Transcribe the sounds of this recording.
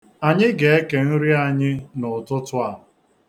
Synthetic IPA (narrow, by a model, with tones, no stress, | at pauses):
a˨ɲɪ˦ɡe˨e˦ke˨n̩˦ɾi˦a˨ɲɪ˦nʊ˨tʊ˦tʊ˦a˨ɦ